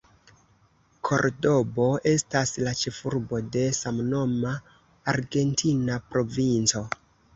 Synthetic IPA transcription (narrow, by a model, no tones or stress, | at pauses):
kʰo̞̰ɾdo̞bo̞ʔe̞staslat͡ʃe̞fuɾbo̞de̞samno̞maː | ɾɡe̞ntʰinapɾo̞vint͡so̞